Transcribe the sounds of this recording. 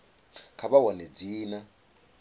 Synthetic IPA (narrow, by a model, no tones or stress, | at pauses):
kʰaɓawaned͡ziːna